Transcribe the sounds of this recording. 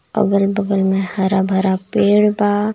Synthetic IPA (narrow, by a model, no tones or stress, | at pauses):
ə̰ɡəlbəɡəlmẽhəɾabʱəɾapeːɽbaː